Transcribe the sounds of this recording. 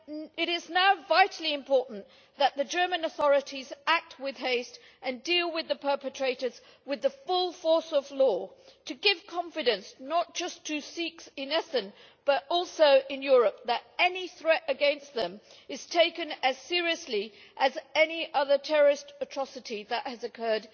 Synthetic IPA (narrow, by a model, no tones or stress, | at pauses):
ɨɾɪznaʊvaɪɾl̩ˠiɨ̃mpʰɔɹʔn̩ | ðɨt̪̚ðɨd͡ʒɜ˞mɨ̃nəθɔɹɨɾizæk̚t̚wɪð̥ɦeɪst | ʔɨ̃ndilˠwɨðɨpʰɜ˞pɨtʰɹ̥eɪɾə˞z | wɨðɨfʊlˠfɔɹsʌvlɔtʰɨɡɪv̥kʰɑ̃ɱfɨɾɨ̃nsnət̚d̥ʒ̥ʌstʰɨsiksɨ̃nɛsɨ̃n | b̥ʌɾɔlˠsoʊʔɨ̃njʊɹɨp̚ðɨɾɛniθɹɛɾɨɡɛ̃nst̪̚ðɨ̃m | ɨz̥tʰeɪkɨ̃nɨz̥sɪɹiɨsli | ʔɨzɛniʔʌðə˞tʰɛɹə˞ɨstɨtʰɹ̥ɑsɨɾiðɨʔhɨzɨkʰɜ˞d